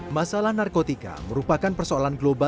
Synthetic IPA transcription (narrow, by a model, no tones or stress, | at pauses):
masalahnarkot̪ika̰məɾupakanpərsoalanɡloba